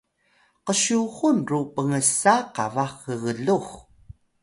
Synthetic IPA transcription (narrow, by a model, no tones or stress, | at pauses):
qəɕuɣunrupəŋəsaqavaχəɣəɮuχ